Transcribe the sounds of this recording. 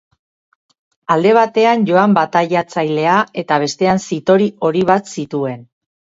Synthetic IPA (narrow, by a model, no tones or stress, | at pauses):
ald̪e̞β̞at̪e̞anʝo̞ambat̪aʎat͡sajle̞ae̞t̪aβ̞e̞st̪e̞ansit̪o̞ɾio̞ɾiβ̞at̪sit̪ue̞n